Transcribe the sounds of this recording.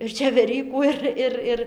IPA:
ɪr t͡ʃʲɛʋʲɛˈrʲiːkuː ˈɪr ˈɪr ˈɪr

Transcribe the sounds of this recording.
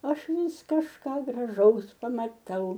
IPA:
ˈɐʃ ˈʋʲɪs kɐʃˈkɑː ɡrɐˈʒɐʊs pɐmɐˈtɐʊ

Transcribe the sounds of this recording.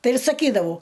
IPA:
ˈtɐɪ ɪr sɐˈkʲiːdɐʋɐʊ

